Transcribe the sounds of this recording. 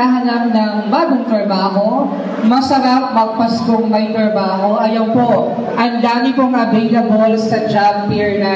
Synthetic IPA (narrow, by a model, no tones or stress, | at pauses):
aɦɐlɐp̚nɐŋbaːɡoŋt̪ɾɐbaːɦo̞ | mɐsɐɾɐp̚mɐɡ̚pɐskoŋmɐjt̪ɾɐbaːɦo̞ʔɐjɐwpoʔ | ʔɐŋd̪aːmɪkoŋʔɐvɛjlɐbolsɐd͡ʒ̪ɾabp̪iɹnɐ